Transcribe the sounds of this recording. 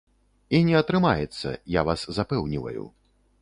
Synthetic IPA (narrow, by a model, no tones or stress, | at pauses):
inʲɛɐt̪ɾɨmajɛt̪sːɐ̰javaszapɛwnʲivɐ̰jṵ